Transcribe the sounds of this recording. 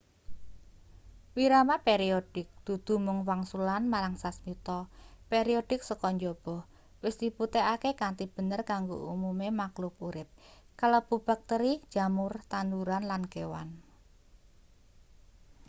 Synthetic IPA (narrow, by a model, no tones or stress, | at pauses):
wiɾamapeɾiod̥ɪk̚d̪̥ṳd̪̥ṳmʊŋwaŋsulanmaɾaŋsasmit̪ɔpeɾioɖ̥ɪk̚səkɔɲd͡ʒob̥ɔh | wɪsd̪̥i̤put̪eʔakekant̪ib̥ə̤nərkaŋɡoʔumumemaklʊp̚uɾɪp̚ | kalɔb̥ṳb̥a̤k̚t̪əɾid̥d͡ʒ̥a̤mʊrt̪and̪uɾanlanɡ̥ewa̰n